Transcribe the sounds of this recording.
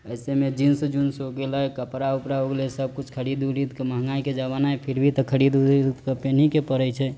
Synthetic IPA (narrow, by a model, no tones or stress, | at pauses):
əjsemed͡ʒinsəd͡ʒunsoɡeləkəpɾaupɾaoɡlesəb̚kut͡ʃʰkʰəɾid̪uɾid̪məɦŋɡaiked͡ʒəβanaepʰiɾbʱit̪əkʰəɾid̪uɾid̪kəpenikepəɾət͡ʃʰɛ